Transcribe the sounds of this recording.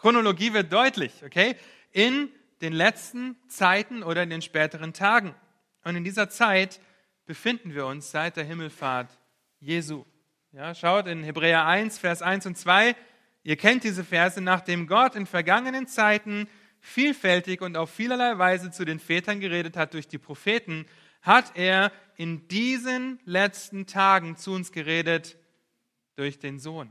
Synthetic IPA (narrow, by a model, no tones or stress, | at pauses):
kʁ̥onoloɡiːvɪɐt̚d̥ɔʏtʰlɪçʔokʰeː | ʔɪn | d̥eːnlɛt͡stn̩t͡saɪtn̩oːɾɐɪndeːnʃpɛːtəʁ̞əntʰaːɡŋ̩ | ʔʊntɪndiːzɐt͡saɪt | b̥əfɪndn̩viːɐʊnsz̥aɪt̚d̥eːɐɦɪml̩faɐt | jeːzuː | jaːʃaʊtɪnhebʁɛːɐʔaɪnsfɛːɐsʔaɪnsʊnt͡sv̥aɪ | ʔiːɐkʰɛnt̚d̥iːzəfɛɐzənaːχd̥eːmɡɔtɪnfɛɐɡaŋənənt͡saɪtn̩ | fiːlfɛltɪçʊntaʊfːiːlɐlaɪvaɪzət͡sudeːnfɛːtɐnɡəʁeːɾəthat̚d̥ʊɐçd̥iːpʁ̥ofeːtn̩ | hatʰeːɐ | ʔɪndiːzənlɛt͡stn̩tʰaːɡŋ̩t͡suʊnsɡ̥əʁeːdət | d̥ʊɐçd̥eːnzoːn